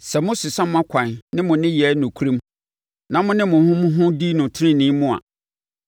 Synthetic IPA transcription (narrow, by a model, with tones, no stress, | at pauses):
sɛ˨mʊ̃˦sʊ˨sã˦m̃˦a˦kʷʰã˨n˨nɪ̃˦mʊ̃˨nɪ̃˦jɛ˨˦nʊ̃˨kʰu˦ɾĩ˦m | nã˨mʊ̃˦nɪ̃˦mʊ̃˨hʊ̃˦mʊ̃˦ɦʊ̃˦di˦nʊ̃˨tʰɪ˦ɾɪ̃˦nɪ̃˨˦mʊ̃˦a̰˨